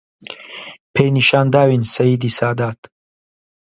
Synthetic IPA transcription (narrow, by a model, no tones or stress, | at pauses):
pʰeːjniʃaːnd̪aːwinsɐjiːd̪iːsaːd̪aːt̪